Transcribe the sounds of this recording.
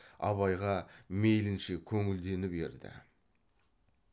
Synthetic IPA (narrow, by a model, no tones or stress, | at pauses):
ɑ̰βɑjʁɑmejlɪnʃɪkʲʰɵŋɪld̪e̞nɪbe̞̰ɾd̪ɪ̰